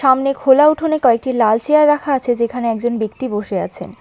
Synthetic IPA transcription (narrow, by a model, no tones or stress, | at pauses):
ʃamnekʰolauʈʰonekɔek̚ʈilalt͡ɕeaɾːakʰaat͡ɕʰed͡ʑekʰaneɛk̚d͡ʑonbikt̪iboʃea̰t͡ɕʰḛn